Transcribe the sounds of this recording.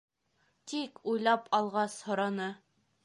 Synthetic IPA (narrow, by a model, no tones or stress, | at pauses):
t̪ikujlˠɑpʰɑlˠʁɑshŏɾɑnɤ